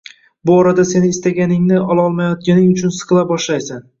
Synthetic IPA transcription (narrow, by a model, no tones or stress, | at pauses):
bʊɒɾad̪ase̞nɪːst̪aɡʲanɪŋnɪʔɒlˠɒlˠmajɒt̪̚ɡʲanɪŋʊt͡ʃʰʊnsɨ̥qʰɨlˠabɒʃlajsan